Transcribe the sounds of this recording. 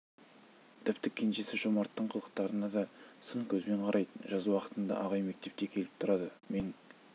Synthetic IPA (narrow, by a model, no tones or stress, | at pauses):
t̪ʰɪpt̪ɪkʲʰe̞nʃe̞sɪʒomɑɾt̪ːəɴqʰəlˠəq̚t̪ɑɾənɑd̪ɑsəŋkʲʰɵzme̞ɴqʰɑɾɑjd̪əʒɑzuwɑqə̥t̪ənd̪ɑ̰ʔɑʁɑjme̞k̚t̪e̞p̚t̪e̞kʲʰe̞lɪp̚t̪ʰʊɾɑd̪əme̞n